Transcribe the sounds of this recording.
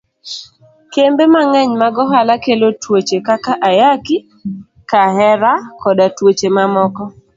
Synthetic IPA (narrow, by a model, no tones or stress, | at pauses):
kembemaŋɛɲmaɡɔɦalakelotwot͡ʃekakaʔajaki | kaɦɛɾakɔdatwot͡ʃemamɔkɔ